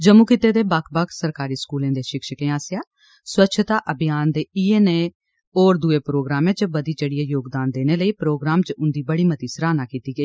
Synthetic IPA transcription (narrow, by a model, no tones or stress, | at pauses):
d͡ʒəmuːkɪt̪eːd̪eːbakʰbakʰsəɾkaːɾiːskuːlẽːd̪eːʃɪkʃəkẽːaːsɪjaː | swətːʃʰt̪aːʔəbɪjaːnd̪eːiːeːneː | oːɾd̪ʊeːpɾoːɡɾaːmẽːd͡ʒəbəd̪iːt͡ʃəɽɪjeːjoːɡd̪aːnd̪eːneːləiːpɾoːɡɾaːmt͡ʃʊnd̪iːbəɽiːmət̪iːsəɾaːnaːkiːt̪iːɡəiː